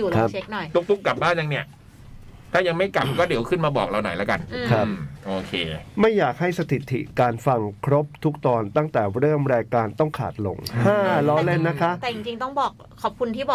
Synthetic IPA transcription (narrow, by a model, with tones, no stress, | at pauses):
juː˨˩kʰa˦˥pt͡ɕʰe˦˥k̚nɔ˨˩jt̪u˦˥k̚t̪u˦˥˩kka˨˩p̚baː˥˩nt͡ɕa˧ŋni˥˩ɐ | t̪ʰaː˥˩ja˧ŋma˥˩jka˨˩m̚kɔː˥˩di˩˦wkʰɯ˥˩nmaː˧bɔː˨˩k̚ɾa˧wnɔ̰˨˩jlaː˦˥ka˧n˧kʰɾa˦˥˧pʔoː˧kʰeː˧ma˥˩jːaː˨˩k̚ha˥˩jsa˧t̪ʰi˨˩t̪ʰːḭ˨˩kaː˧nfa˧ŋkʰɾo˦˥p̚t̪ʰu˦˥k̚t̪ɔː˧nt̪a˥˩ŋt̪ɛː˨˩ɾɤː˥˩mɾaː˧jkaː˧nt̪ɔ˥˩ŋkʰa̰ː˨˩t̪̚lo̰˧ŋh̪ʰaː˥˩lɔː˦˧˥le˧nːa˦˥kʰa˦˥ʔt̪ːt͡ɕi˧ŋt͡ɕi˧ŋt̪ɔ˥˩ŋbɔː˨˩k̚ʰːɔː˨˩p̚kʰu˧nt̪ʰiː˥˩bɔː˨